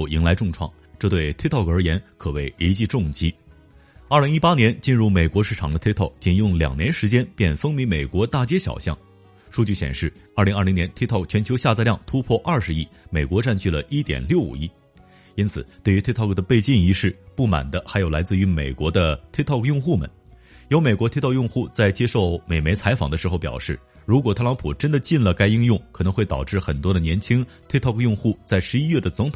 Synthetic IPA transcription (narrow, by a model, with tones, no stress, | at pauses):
ʊi˧˥ŋla˧˥ɪʈ͡ʂʊ˥˧ŋʈ͡ʂʰwɑ̰˥˩ŋ | ʈ͡ʂɤ˥˧t̪we˥˩ɪt̪ʰe˥t̪ʰkə˞˧˥jɛ˧˥nkʰɤ˨˩we˥˩ɪe˧˥t͡ɕi˥˧ʈ͡ʂʊ˥˩ŋt͡ɕi˥ | ɐ˞˥˩li˧˥ŋi˥pa˥njɛ˧˥nt͡ɕi˥˧nɻu˥˩me˨˩ɪkwɔ˧˥ʂɻ̩˥˩ʈ͡ʂʰɑ̰˨˩ŋd̪ə˦t̪ʰe˥t̪ʰɑ˥˩ʊk̚t͡ɕi˥˩njʊ˥˩ŋljɑ̰˨˩ŋnjɛ˧˥nʂɻ̩˧˥t͡ɕjɛ˥npjɛ˥˩nfɤ˥ŋmi˧˥me˨˩ɪkwɔ˧˥t̪a˥˩t͡ɕjɛ˥ɕjɑ̰˨˩ʊɕjɑ̰˥˧ŋ | ʂu˥˧t͡ɕy˥˩ɕjɛ̰˨˩nʂɻ̩˥˩ɐ˞˥˩li˧˥ŋɐ˞˥˩li˧ŋnjɛ˧˥nt̪ʰe˥t̪ʰɑ˥˩k̚t͡ɕʰɥɛ˧˥nt͡ɕʰo˧˥ʊɕja˥˧t͡sa˥˧ljɑ˥˩ŋt̪ʰu˥pʰwɔ˥˧ʔɐ˥˩ʂɻ̩˧˥i˥˩me˨˩ɪkwɔ˧˥ʈ͡ʂa˥˧nt͡ɕʰy˥˩lə˩ʔi˥t̪jɛ̰˨˩nljo˥˩ʊṵ˨˩i˥˩ | i˥nt͡sʰɹ̩˨˩t̪we˥˩ɪy˧˥t̪ʰe˥t̪ʰɑ˥˩kd̪ə˩pe˥˧ɪt͡ɕi˥˩ŋi˧˥ʂɻ̩˥˩pu˥˩ma̰˨˩nd̪ə˦xa˧˥ɪjo˨˩la˧˥ɪt͡sɹ̩˥˩y˧˥mḛ˨˩ɪkwɔ˧˥d̪ə˧t̪ʰi˥t̪ʰɑ˥˧ʊkjʊ˥˧ŋxu˥˩mə̰˨˩n | jo˧˥ʊme˨˩kwɔ˧˥t̪ʰe˥t̪ʰjʊ˥˧ŋxu˥˧t͡sa˥˧ɪt͡ɕjɛ˥ʂo˥˩ʊme˨˩ɪme˧˥ɪt͡sʰa˧˥ɪfɑ̰˨˩ŋd̪ə˦ʂɻ̩˧˥xo˥˧ʊpjɑ̰˨˩ʊʂɻ̩˥˩ | ɻu˧˥k̬wɔ˨˩t̪ʰɤ˥˧lɑ˧˥ŋpʰu˨˩ʈ͡ʂə˥nd̪ə˨t͡ɕi˥˩nlə˩ka˥ɪi˥ŋjʊ˥˩ŋkʰɤ˨˩nɤ˧˥ŋxwe˥˩ɪt̪ɑ˨˩ʊʈ͡ʂɻ̩˥˩xə˨˩nt̪wɔ˥ɾə˨njɛ˧˥nt͡ɕʰi˥ŋ | t̪ʰt̪ʰɑ˥˧˩kjʊ˥˧ŋxu˥˩t͡sa˥˩ɪʂɻ̩˧˥i˥ɥɛ˥˩d̪ə˩t͡sʊ˧˥ŋt̪ʰ